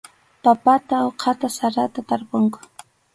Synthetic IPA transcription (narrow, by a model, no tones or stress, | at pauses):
papat̪aoqʰɑt̪asaɾat̪at̪aɾpʊŋkʊ̥